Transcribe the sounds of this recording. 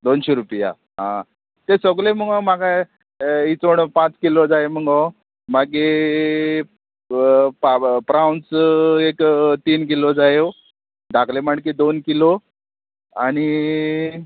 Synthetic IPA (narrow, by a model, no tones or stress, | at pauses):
d̪onɕeɾupja̰ | ɦã | t̪esəɡleməŋɡɔmaɡa | it͡soɳpãt͡skilod͡zajeməŋɡɔ | maɡe | papɾawnsekt̪iːnk̬ilod͡zaje | d̪akʰlemaɳked̪onkilo | aɽ̃i